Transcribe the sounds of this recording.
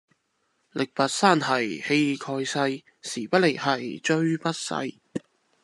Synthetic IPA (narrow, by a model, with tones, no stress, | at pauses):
lɪ˨k̚pɐ˨t̚saː˥˩nhɐ˨˩jhe˧jkʰɔː˧jsɐ˧j | siː˨˩pɐ˥t̚le˨k̚hɐ˨˩jt͡ʃɵ˥ɥpɐ˥t̚sɐ̰˧j